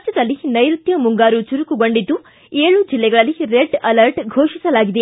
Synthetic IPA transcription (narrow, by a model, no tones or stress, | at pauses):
d͡ʒɐd̪ɐlːinɐjɾut̪jɐmuŋɡaːɾut͡ʃuɾukuɡoɳɖid̪ːu | eːɭud͡ʒilːɛɡɐɭɐlːiɾeɖɐlɐɾʈɡʱoːʂisɐlaːɡid̪e